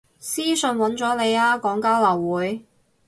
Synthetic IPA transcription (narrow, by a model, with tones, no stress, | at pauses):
siː˥sɵ˧nwɐ˨˥nt͡ʃɔː˨˥le˨˧jaː˥kɔː˨˥ŋkaː˥wlɐ˨˩wːuː˨˥j